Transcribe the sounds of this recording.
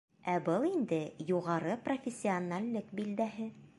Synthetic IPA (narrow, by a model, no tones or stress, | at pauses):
æbɤlˠind̪ɘjuʁɑɾɤprofʲɪsʲːɪonalʲːɘkbild̪æɦɘ